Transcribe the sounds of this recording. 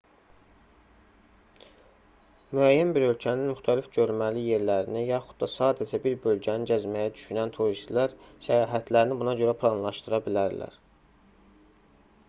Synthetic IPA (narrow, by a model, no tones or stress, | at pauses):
myæjːænbiɾø̞lcʰæninmyxt̪ʰælifɟø̞ɾmælije̞ɾlæɾinijɑxud̪̥̚d̪ɑsɑːd̪æd͡ʒæbiɾbø̞lɟæninɟæzmæjæd̪yʃynænt̪ʰuɾist̪læɾsæjɑːɦæt̪ʰlæɾinibunɑɟø̞ɾæpʰlˠɑnlˠɑʃt̪ɯɾɑbilæɾlæ̰ɾ̥